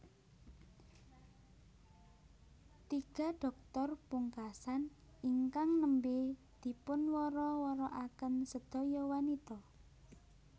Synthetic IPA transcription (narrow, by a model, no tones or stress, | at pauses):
t̪iɡ̥a̤ɖ̥ɔ̤k̚t̪ɔrpuŋkasan | iŋkaŋnəmbe | d̪̥i̤pʊnwɔɾɔwɔɾɔʔakənsəd̪̥ɔ̤jɔwanit̪ɔ